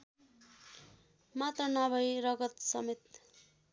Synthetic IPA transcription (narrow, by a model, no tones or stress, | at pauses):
mat̪rʌnʌbʌjrʌɡʌt̪sʌmet̪̚